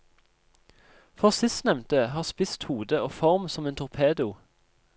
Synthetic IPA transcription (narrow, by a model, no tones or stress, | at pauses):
fɔʁsɪst̪nɛmnt̪əhɑːʁspɪst̪huːd̪əoːfɔʁmsɔmeːnt̪ʰʊʁpʰeːd̪ʊ